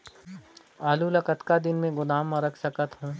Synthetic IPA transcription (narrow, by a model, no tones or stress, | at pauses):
aːlulɐkət̪kad̪ɪnmẽɡʊnaːmːãɾɐkʰsɐkət̪ɦũː